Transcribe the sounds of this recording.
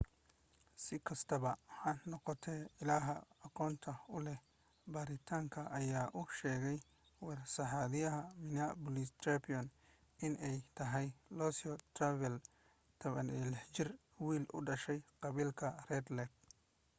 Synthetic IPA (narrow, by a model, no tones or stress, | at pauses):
sɪkʰɐst̪ʰɐβɐhɐnːɔqɔt̪ʰɛːɪlaːɦɐːqɔːnt̪ʰɐʊlɛ | baːɾɪt̪ʰaːŋkʰɐʔɐjaːʔʊʃɛːɣɛj | wɑrsɐħaːðɪjɐɦɐmɪnabɔlist̪ʰɾɛpiɔn | ɪnɛjt̪ʰɐɦɛjlɔsɔt̪ʰravɛl | t̪ʰɐβɐnɛːlɪħt͡ʃɪr | wiːlʔʊ̰ɖɐʃɛjqɑβiːlkʰɐrɛːd̪lɛɡ̚